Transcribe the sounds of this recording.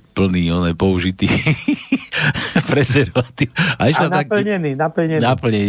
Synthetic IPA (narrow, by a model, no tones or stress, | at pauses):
pl̩niːɔnajpɔuʒit̪iː | pɾɛzɛɾʋat̪iːʊaiʃaaklɲɛniːnapl̩ɲɛapl̩ɲɛn